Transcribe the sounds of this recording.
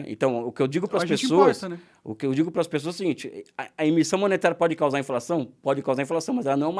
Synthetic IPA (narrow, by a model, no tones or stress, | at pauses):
ḛ̃t̪ɐ̃w̃ʊkɪewd͡ʒiɡʊpɾɐspesoɐsɐɛ | ʊ̰kɪewd͡ʒiɡʊpɾɐspes̬oɐsɪɡĩnt͡ʃɪɐɐimisɐ̃w̃mõnet̪aɾjɐpɔd͡ʒɪkawzaɾĩflasɐ̃w̃pɔd͡ʒɪkawzaɾĩflasɐ̃w̃mɐzɛlɐnɐ̃w̃ɛũm